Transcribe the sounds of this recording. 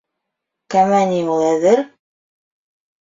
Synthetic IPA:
kæmænʲiulˠæðɘɾ

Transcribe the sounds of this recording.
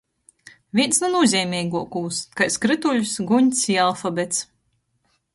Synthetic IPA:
vʲiɛnsnunuɔzʲɛːmʲɛːɡuɔkuːskajskɾɨt̪uʎʲusɡuɲʲsʲialˠfabɛt̪s

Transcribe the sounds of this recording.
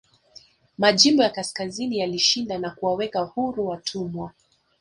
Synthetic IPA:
maʄimbɔjakaskazinijaliʃindanakuwawɛkahuɾuwatʰumwa

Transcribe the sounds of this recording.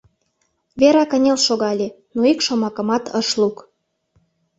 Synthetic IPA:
βeɾɑkə̆nʲelʃoɣɑlʲe | noikʃomɑkə̆mɑt̪ʰəʃluk

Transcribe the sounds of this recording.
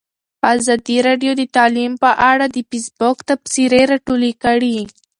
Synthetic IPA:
azɑd̪iɾɑɖjod̪ət̪ɑlimpəʔaɽad̪əpisbokt̪apsiɾeɾɑʈulikəɽi

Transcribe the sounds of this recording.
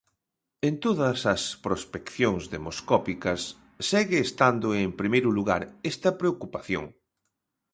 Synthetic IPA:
ẽnt̪oðɐsɐspɾospekθjoŋzðemoskɔpikɐsː | ɛɣɪːst̪and̪oempɾimejɾʊluɣaɾɛst̪ɐpɾeokupaθjo̰ŋ

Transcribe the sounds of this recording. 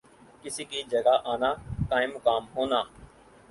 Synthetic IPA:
kɪsiːkiːd͡ʒəɡaːʔaːnaːkaːɪ̃mʊkaːmɦoːnaː

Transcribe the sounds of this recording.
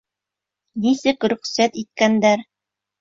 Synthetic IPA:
nisɘkɾɵ̆χsæt̪it̪̚kænd̪æɾ

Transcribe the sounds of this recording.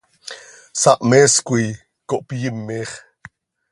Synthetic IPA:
saʔmeskʷij | koʔpijimːeχ

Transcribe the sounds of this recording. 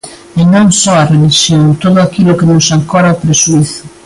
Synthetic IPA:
enõŋsɔarelisjoŋt̪oðʊakilʊkenʊsaŋkɔɾapɾesuiθʊ̥

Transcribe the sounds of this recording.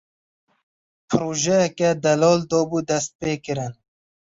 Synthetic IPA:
pʰɾoːʒɛjɛkɛd̪ɐlɔːld̪ɔːbud̪ɛst̪̚peːkɪɾɪn

